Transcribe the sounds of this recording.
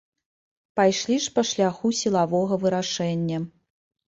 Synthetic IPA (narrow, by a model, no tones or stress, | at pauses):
pajʂlʲiʂpɐʂlʲaxusʲilˠavɔɣɐvɨɾaʂɛnʲːɐ